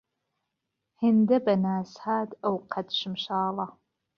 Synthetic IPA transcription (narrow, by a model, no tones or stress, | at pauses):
hɨndɐbɐnaːsħaːdɐwqʰɐdʃɪmʃaːlɑ